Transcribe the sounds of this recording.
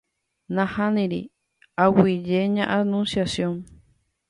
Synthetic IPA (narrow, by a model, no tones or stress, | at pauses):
nãhanĩɾḭ | awid͡ʒeɲãʔanũnsjasjoŋ